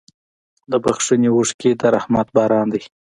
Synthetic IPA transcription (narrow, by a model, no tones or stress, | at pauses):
d̪əbaxʂənewʊʂked̪aɾahmat̪̚bɑɾɑnd̪aj